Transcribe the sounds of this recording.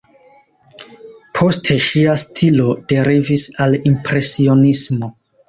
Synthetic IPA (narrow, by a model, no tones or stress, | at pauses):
pʰo̞stʰe̞ʃiastʰilo̞d̥e̞ɾivisalimpɾe̞sio̞nismo̞